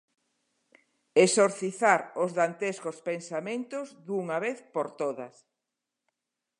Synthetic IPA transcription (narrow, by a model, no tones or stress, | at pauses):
esoɾθiθaɾozðant̪eskospensamẽnt̪ʊzd̪uŋaβeθpoɾt̪oðɐ̰s